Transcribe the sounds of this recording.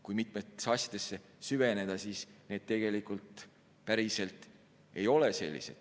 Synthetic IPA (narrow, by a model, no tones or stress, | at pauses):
kujmit̪ˑmet̪ːe̥sɑsʲjɑ̥d̪̥e̞sːe̞ | syve̞ne̞d̪̥ɑsiːsne̞ːd̪̥̚t̪e̞ɡ̥e̞likult̪ˑ | pæɾise̞lt̪ˑ | e̞jo̞le̞se̞̰lʲːḭse̞̰d̪̥